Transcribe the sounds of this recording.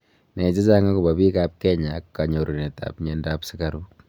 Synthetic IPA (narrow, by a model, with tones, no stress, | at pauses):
nɛ˨t͡ʃɪ˦t͡ʃa˦ŋa˦ku˨ba˨bi˦ka˦p̚kɛ˦ɲa˨kka˨ɲo˨ɾo˨ne˨ta̰˨pɲɛ˦nda˦psɪ˦ka˨ɾu˦